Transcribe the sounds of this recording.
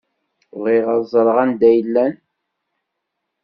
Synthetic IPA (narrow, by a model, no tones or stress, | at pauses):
ʁiʁɑzˤɾˤʁænd̪æjəlːæn